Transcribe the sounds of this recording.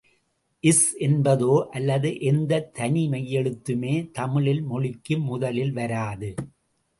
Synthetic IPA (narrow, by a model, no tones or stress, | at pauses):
ʔɪsʔɛnbɐðoːʔɐlːɐðɯʔɛnd̪ɐt̪ʰːɐnimɐjːɛɻɯt̪ːɯmeːt̪ɐmɪɭɪlmɔɭɪkːɯmːʊðɐlɪlʋɐɾaːðɯ